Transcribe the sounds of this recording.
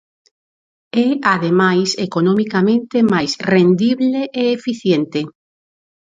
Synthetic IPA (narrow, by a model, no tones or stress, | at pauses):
ɛaðemajsekonomikamẽnt̪emajsrend̪iβleʔeːfiθjent̪e